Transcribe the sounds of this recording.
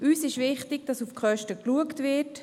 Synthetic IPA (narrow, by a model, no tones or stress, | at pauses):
ʔyːsɪʃvɪχtɪɡ̥̚d̥ɑsufkχœʃtəkluəktvɪt